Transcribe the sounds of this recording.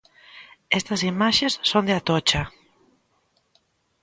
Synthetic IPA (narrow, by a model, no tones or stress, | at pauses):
ɛst̪ɐsimaʃesːond̪eat̪ɔt͡ʃɐ